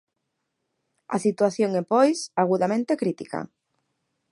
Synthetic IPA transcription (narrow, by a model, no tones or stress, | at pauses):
a̰sit̪waθjoŋepojsaɣuðamẽnt̪ekɾit̪ika̰